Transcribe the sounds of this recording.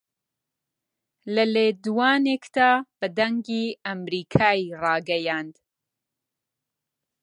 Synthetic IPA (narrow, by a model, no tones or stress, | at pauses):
ləleːd̪uwaːneːkd̪aːb̥ɨd̪ɐŋɡiːamɾiːkʰaːjirɑːɡɐjaːnd̪